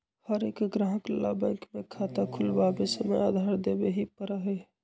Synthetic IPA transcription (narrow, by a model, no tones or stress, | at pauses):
həɾeːkɡɾãɦəkla̰bə̃ɪkmẽkʰat̪akʰʊlbabesəməḛa̰ːd̪ʱaɾd̪ebeɦipəɾəɦe